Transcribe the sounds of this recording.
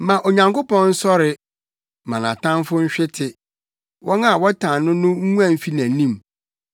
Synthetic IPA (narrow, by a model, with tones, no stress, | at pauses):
mã˨ʔo˨ɲã˨ŋko˦pɔ̃˦nn̩˦sɔ˦ɾɪ˨ | mã˨nã̰˨tʰã˦nfʊ˦ɲ̩˦ɕᶣɪ˦tʰɪ˨ | wʔɔ˦nã˦˨wɔ˦tʰã˨nʊ̃˦nʊ̃˦ŋ̩˦u˦ã˨m̩˨fi˦næ̃˨nĩ˦˨m